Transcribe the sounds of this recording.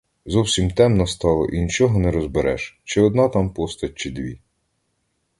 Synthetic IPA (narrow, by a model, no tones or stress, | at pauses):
zɔwsʲimt̪ɛmnɔst̪ɑlˠɔ̰ʔinʲit͡ʃɔɦɔnɛɾɔzbeɾɛ̰ʃt͡ʃɪɔd̪̚nɑt̪ɑmpɔst̪ɐt͡ʃɪd̪ʋʲḭ